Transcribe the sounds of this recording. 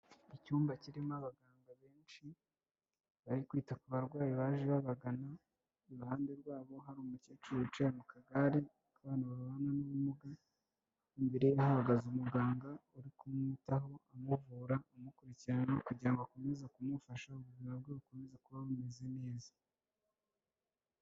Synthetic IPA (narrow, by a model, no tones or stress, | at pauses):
icuːmbaciɾimaβaɡaːŋɡaβe̞ːnʃi | βaɾikwiːtakuβaɾɡwaːjiβaːʒiβaβaɡana | uɾuhaːnde̞ɾɡwaːβo̞ɦaɾuːmuceːt͡ʃuuut͡ʃemukaɡaɾe̞ | kaβaːnaβaɾuβananuβumuɡa | imbe̞ɾe̞jehaβaɡazumuɡaːŋɡauɾikumutaɦo̞amuvuːɾaumukuɾiciɾananokuɟɾaŋɡako̞me̞zakumufaʃauβuɾɾiɾabɡeβukome̞zakuβaβume̞ze̞ne̞ːza